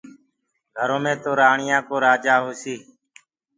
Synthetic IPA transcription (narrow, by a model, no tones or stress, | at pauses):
ɡʱəɾõːmẽːt̪oːɾaːɳɪjãːkoːɾaːd͡ʒaːɦoːsiː